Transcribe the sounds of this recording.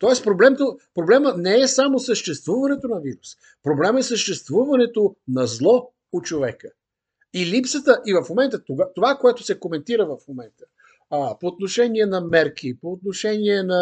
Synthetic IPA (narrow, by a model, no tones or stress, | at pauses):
t̪ɔɛspɾoblɛmt̪opɾoblɛmənɛːsamosəʃt̪ɛst̪vuvɐnɛt̪onɐviɾus | pɾoblɛmɛsəʃt̪ɛst̪vuvɐnɛt̪onɐzlˠɔ | ot͡ʃovɛkə | ilipsət̪əʔivɐfmomɛnt̪ət̪oɡat̪ovakoɛt̪ʊsɛkomɛnt̪iɾəvɐfmomɛnt̪ə̥ | poːt̪noʃɛniɛnɐmɛɾk̟ipoːt̪noʃɛniɛnɐ